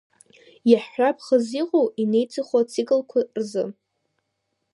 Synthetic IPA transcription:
jaħapʰχəziqʼowine̞jt͡sʰʼɨχʷat͡sʰikʼɨlkʷʰarzɨ̰

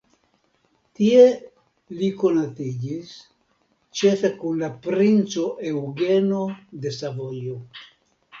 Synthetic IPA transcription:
tie | liko̞natid͡ʒis | t͡ʃefe̞kunlapɾint͡so̞ʔewɡe̞no̞de̞savojo

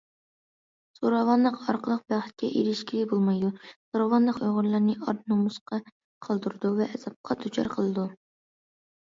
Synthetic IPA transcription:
soɾɑvɑnlˠəqɑɾqʰəlˠəqb̥æχt̪̚kʲɛ̰ʔiɾɪʃkʲiɾɪbolˠmɑjd̪usoɾɑvɑnlˠəqøʁʊɾlˠɑɾnɨʔɑɾnomusqɑ | qʰɑlˠd̪uɾd̪uvɛʔɛzɑp̚qʰɑd̪ʰut͡ʃʰɑ̰ɾqʰəlˠɨd̪u

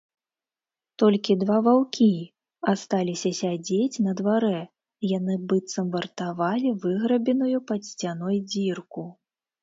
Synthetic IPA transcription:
t̪ɔlʲkʲid̪vavawkʲʰi | ast̪alʲisʲɐsʲad͡zʲet͡sʲnɐd̪vaɾɛ | jan̪ɨbɨt̪sɐmvɐrt̪avalʲivɨɣɾɐbʲɛnujupɐsʲt͡sʲanɔjd͡zʲirku

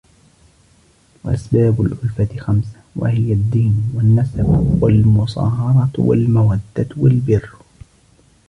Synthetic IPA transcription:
waʔasbaːbʊlʕʊlfat̪ɪxamsḁwa̰hɪjad̪ːiːnwanːasabwalmʊsˤɑ̰ːɦɑɾˤɑwa̰lmawad̪ːat̪walbɪrː

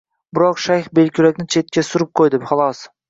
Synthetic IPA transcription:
bɪɾoqʃajχbelkʰʲʊlækʲnɪt͡ʃʰet̪̚kʲasʊɾɪp̚qʰojd̪ɪpχɑlˠɑs

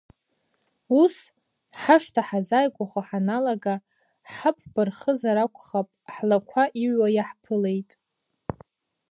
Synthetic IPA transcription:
us | ħaʂtʰaħazajkʷʼaχʷaħanalaɡa | ħapʰb̥ɨrχəzaɾakʷʰʼχapʼħlakʷʰaʔiɥwajaħpʰɨle̞jtʼ

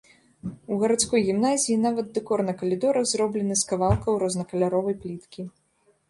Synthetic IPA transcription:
uɣɐɾat̪skɔjɣʲimnazʲijinavɐd̪̚ːɛkɔrnɐkɐlʲid̪ɔɾɐzrɔblʲɛnɨskɐvalˠkɐwɾɔznɐkɐlʲaɾɔvɐjplʲit̪kʲi

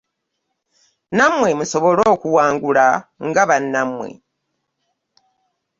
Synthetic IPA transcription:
namwe̞muso̞βo̞loːkuwaːŋɡulaŋɡaβanːamwḛ

